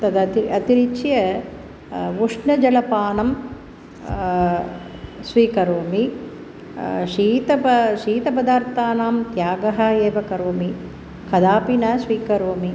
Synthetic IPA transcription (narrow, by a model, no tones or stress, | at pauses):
t̪ɐd̪ɐt̪iɐt̪iɾit͡ʃjɐ | ʋuʂnɐd͡ʒɐlɐpaːnɐm | sʋiːkɐɾoːmi | ʂiːt̪ɐpɐʃiːt̪ɐp̬ɐd̪aːɾt̪aːnaːmt̪jaːɡɐɦɐeːʋɐkɐɾoːmi | kɐd̪aːpinɐsʋiːkɐɾoːmi